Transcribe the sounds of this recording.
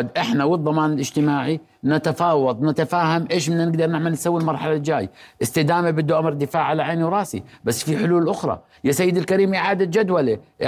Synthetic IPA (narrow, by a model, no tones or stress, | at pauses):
d̪ʔɪħnawɪðˤːɑmɑːnɪlʔɪd͡ʒt̪ɪmaːʕi | nat̪afɑːwɑðˤnat̪afaːhamʔeːʃ̬mɪnːanɪɡd̪ɑɾˤnɪʕmalnsawːilmɑɾˤħalald͡ʒaːjʔɪst̪ɪd̪aːmabɪd̪ːuʔamɾˤd̪ɪfaːʕalaʕaːniwɾˤɑːsḭbasːfiħʊluːlʔʊxɾˤɑ̰ | jasajːɪd̪ɪlkaɾiːmɪʕaːd̪ad͡ʒad̪waliʔ